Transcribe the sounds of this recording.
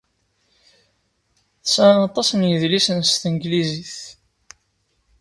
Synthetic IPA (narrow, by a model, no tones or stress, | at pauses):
θəsnɑt̪ˤɑsnjəðlisənst̪ənɡliziθ